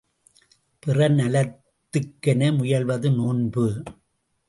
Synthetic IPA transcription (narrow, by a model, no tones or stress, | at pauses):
pɪrɐnɐlɐt̪ːɯkːɐnɐmʊjɐlʋɐðɯnoːnbɯ